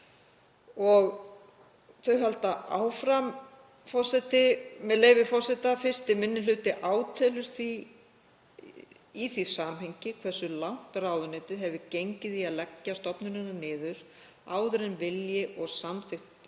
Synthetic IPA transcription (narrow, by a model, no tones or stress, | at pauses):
ɔɣ | θœɥɦalt̪aʔaːwfɾam | fɔr̥sɛt̪ɪmɛðleːjvɪfɔrsɛt̪afɪ̥st̪ɪmɪnːɪlʏːt̪ɪʔaːwt̪ʰɛːlʏɾ̥θi | iθisaːmɦeɲcɪkʰvɛ̥sʏlawn̥t̪raːwðʏnɛːt̪ɪðɦɛvðɪcejɲcɪðiaðlɛcːast̪ɔpnʏnɪnanɪːðʏɾ̥ | aːwðʏɾɛnvɪljɪʔɔɣsamθɪht̪